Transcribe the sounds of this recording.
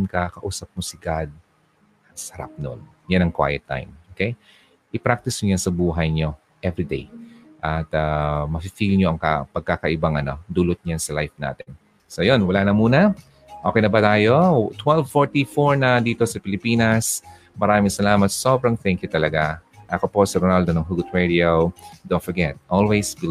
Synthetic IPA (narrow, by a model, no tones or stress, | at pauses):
nkakɐʔuːsɐp̚mosɪɡad̪̚ | sɐɾa̰p̚no̰n | janɐŋkwa̰jɛt̪ːa̰jmʔoːkej | ʔɪpɾak̚t̪ɪsɲojansɐbuːɦɐjɲo̞ | ʔɛvɾid̪ḛjʔɐt̪amɐpifilɲoʔɐŋkɐ̰pɐɡ̚kakɐʔɪbaŋʔɐno̞d̪ulot̪̚ɲjansɐlajfna̰ːt̪ɛn | sojonwɐlaːnɐmuːnɐ | ʔokɛjnɐbɐt̪aːjo̞t̪wɛlvfoɹt̪ifoɹnɐd̪iːt̪o̞sɐpɪlɪpiːnɐs | mɐɾaːmɪŋsɐlaːmɐt̪̚so̞ːbɾɐŋθɛŋkjut̪ɐlɐɡaʔɐkopo̞siɾonald̪onɐŋɦuɡʊt̪ɹɛd̪iowd̪õnt̪fɔɹɡɛt̪̚ʔolwejsb